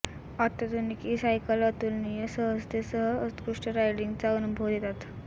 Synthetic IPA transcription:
at̪əd̪unikisajkələt̪uːlnijəsəɦəst̪esəɦəəkɾuʂʈəɾajɖiŋɡt͡saənubʱoʋd̪et̪at̪

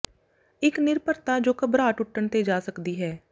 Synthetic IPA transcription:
ɪknɪɾpəɾt̪aːd͡ʒoːkəbɾaːʈʊʈːəɳt̪eːd͡ʒaːsəkd̪iːɦɛː

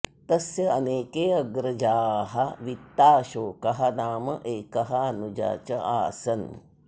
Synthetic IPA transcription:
t̪ɐsjɐɐneːkeːɐɡɾɐd͡ʒaːɦɐʋit̪ːaːʃoːkɐɦɐnaːmɐʔeːkɐɦɐɐnud͡ʒa̰ːt͡ʃɐʔa̰ːsɐn

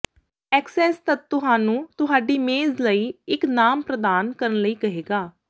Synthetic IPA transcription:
ɛːksɛːst̪ət̪ːʊɦaːnũːt̪ʊɦaːɖiːmeːzləiːɪknaːmpɾəd̪aːnkəɾənləiːkəɦeːɡaː

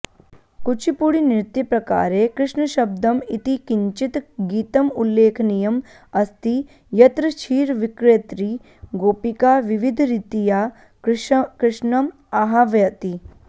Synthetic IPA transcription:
kut͡ʃʰipuɽinɪɾt̪jɐpɾɐka̰ːɾekɾɪʂɳəʃɐb̚d̪ɐmit̪ikiɲt͡ʃit̪ɡiːt̪ɐmulːeːkʰnijɐm | ɐst̪i | jɐt̪ɾɐt͡ʃʰiːɾʋikɾeːt̪ɾi | ɡoːpikaʋiʋid̪ʱɾit̪ija | kɾɪʂnɐm | aɦaʋjɐt̪i

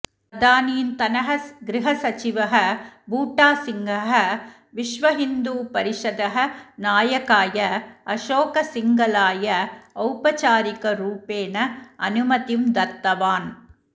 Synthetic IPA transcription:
ɐd̪aːniːnt̪ɐnɐɦɐɡɾɪɦɐsɐt͡ʃɪʋɐɦɐbuːʈːaːsɪŋɡɐɦɐ | ʋɪʂʋɐɦɪnd̪uːpɐɾɪʂɐd̪ɐɦɐnaːjɐkaːjɐɐʂoːkɐsɪŋɡɐlaːjɐɐʊpɐt͡ʃaːɾɪkɐɾuːpeːnɐɐ̰nɯmɐt̪imd̪ɐt̪ːɐʋaːn

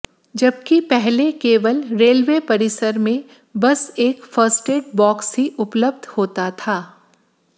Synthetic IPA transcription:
d͡ʒɐb̚kipɛɦlekeːʋəlɾeːlʋepɐɾɪsəɾmẽ | bɐseːkfəɾsʈeːʈ̚bɔːksɦiʔʊpləbd̪ʱhoːt̪at̪ʰaː

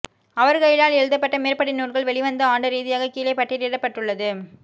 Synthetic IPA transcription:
ɐʋɐɾɣɐɭɪlaːlɛɻɯðɐpːɐʈːɐmeːɾpɐɽɪnːuːɾɣɐɭʋɛɭɪʋɐnd̪ɐaːɳɖɐɾiːðɪjaːɣɐkiːlɐɪpːɐʈːɪɾiːɽɐpːɐʈːɯɭːɐðɯ

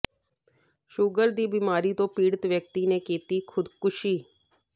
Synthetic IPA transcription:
ʃuːɡəld̪iːbiːmaːɾiːt̪õːpiːɽət̪ʋjək̚t̪iːnẽːkiːt̪iːkʰʊd̪kʊʃiː

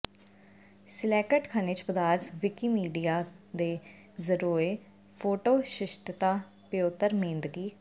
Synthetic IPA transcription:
sɪlɛːkəʈkʰaːnet͡ʃpəd̪aːɾt̪ʋɪkiːmiːɖiːaːd̪eː | zəɾuːɾeː | pʰoːʈoːʃɪʃʈt̪aː | pɪjoːt̪ːəɾmẽːnd̪ɡiː

